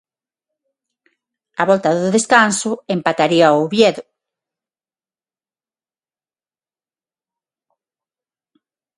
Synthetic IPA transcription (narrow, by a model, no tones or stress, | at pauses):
aβɔlt̪aðʊðeskansʊempat̪aɾiaoβjɛðʊ